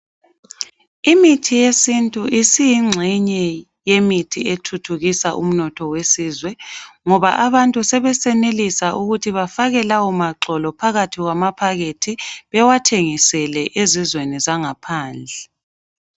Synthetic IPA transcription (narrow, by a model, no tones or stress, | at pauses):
imitʰijesintʼuʔisijiŋ͡ǀʱiɲɛ | jemitʰietʰutʰuɣisaʔṵm̩nɔtʰɔwesiːzwɛŋɔβaʔaβantʼusɛβɛsɛnelisaʔuɣutʰiβafaɣɛlawumaǁɔlɔpʰaɣatʰiɣwamapʰaɣetʰiβɛwatʰeŋisɛlɛʔezizwenizaŋapʰaːnd͡ɮʱɛ